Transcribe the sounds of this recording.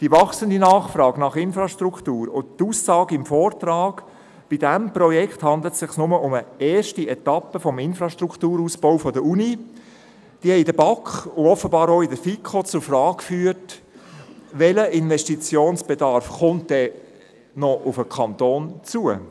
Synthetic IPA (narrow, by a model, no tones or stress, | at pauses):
d̥iʋɑχsəndinɑːχfrɑːɡnɑχɪnfɾɑʃtɾukʰtuːɾʊtuːsːɑːɡɪmfɔːrt̪rɑːɡ̥ | b̥idæmprɔjɛkχthɑnd̪lətsɪχsnʊməʔʊməɛːɾʃtiɛt̪ɑpəfɔmɪnfɾɑʃtruktuːɾuːsb̥ɔʊfɔdəuni | d̥ihɛɪdəbɑkχʊɔfːəbɑːɾoɪdəɾfikʰχot͡sʊɾfrɑːɡkfyːət | ʋɛləʔɪnʋɛʃtit͡sjoːnsb̥edɑɾfχʊnt̚d̥ɛ | nɔʔʊfəkʰɑnt̪oːnt͡suə